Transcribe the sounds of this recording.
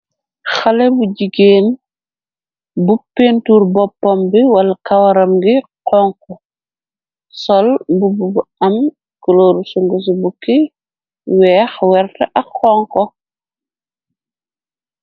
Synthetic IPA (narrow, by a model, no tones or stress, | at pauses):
xɐlɛbuɟiɡeːn | bupːeːntuːɾbɔpːɔmbiwɐlɐkɐwɐɾɐmɡiqɔŋkɔ | sɔlbububuɐm | kəloːɾusuŋɡus̬ubukːi | wɛːxwɛrtɐʔɐkːɔːŋkɔ